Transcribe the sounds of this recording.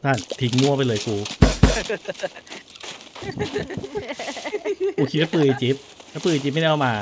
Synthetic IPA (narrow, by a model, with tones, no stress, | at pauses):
t̪ʰa˥˩nt̪ʰi˨˧˦ŋmu˧˥˩ɐpa˧jlɤː˧jkuː˧ | kuː˧kʰi˦a˦˥pɯː˧˩jt͡ɕi˨˦˥p̚tʰa˦˥pɯː˧˩jt͡ɕi˧˦p̚m˥˩a˧ʔmaː˧